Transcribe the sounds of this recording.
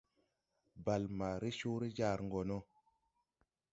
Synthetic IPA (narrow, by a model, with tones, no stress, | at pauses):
ba˨lma˨ɾe˦ʃo˦ɾe˦d͡ʒa˦˨ɾŋ˨ɡo˨no˦